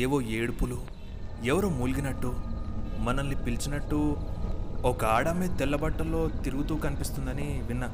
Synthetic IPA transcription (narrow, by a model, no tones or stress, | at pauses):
eːʋoːeːɽupulu | ɛʋɐɾoːmuːlɡinɐʈːumɐnɐnːipilt͡ʃinɐʈːu | ɔkɐaːɽɐmeːt̪ɛlːɐbɐʈːɐlːo̞ːt̪iɾuɡut̪uːkɐnipist̪und̪ɐniʋinːɐ